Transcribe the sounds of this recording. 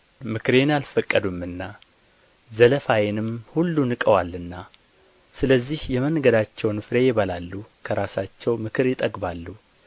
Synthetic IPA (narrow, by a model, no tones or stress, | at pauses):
mɨkɾe̞nalfəkʼːəd̪umɨnːa | zələfajɛnɨmhulːunɨkʼəwalːɨnːa | sɨləzːihjɛmənɡəd̪at͡ʃːɛwnɨfɾejɪβəlalːukʰəɾasat͡ʃːɛwmɨkʰɨɾjɪt̪ʼəɡbalːu